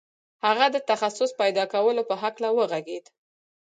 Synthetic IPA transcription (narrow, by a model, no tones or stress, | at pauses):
haɣad̪ət̪axasʊspajd̪ɑkawəlopəɦaklawəɣaɡed̪